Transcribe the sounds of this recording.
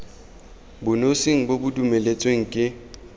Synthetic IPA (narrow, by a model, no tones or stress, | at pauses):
bʊnosiŋ̩bobʊdumelet͡sʼweŋ̩kʼɪ